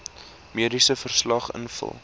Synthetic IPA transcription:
miədisəfərslɐχə̰nfə̰lˠ

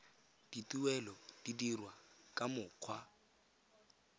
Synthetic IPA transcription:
d̥ituwɛlɔd̥idirwakʼamʊːq͡χʰwa

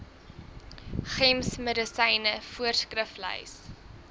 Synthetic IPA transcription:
χɛmsmədəsɛjnəfuərskrəflə̰js

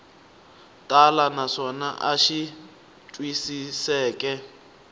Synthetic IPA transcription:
tʼalanaʂɔnaʔaʃi | tʼwisisɛːkʼɛ

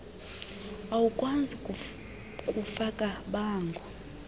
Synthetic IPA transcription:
awukʼwand͡zʱi | kʼufakʼaɓaːŋɡʱɔ

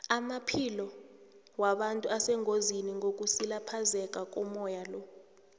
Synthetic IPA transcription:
amapʰilɔ | waɓantʼuasɛŋʱoziniŋʱok̬ʼusilapʰazɛk̬ʼak̬ʼɔmɔjalɔ

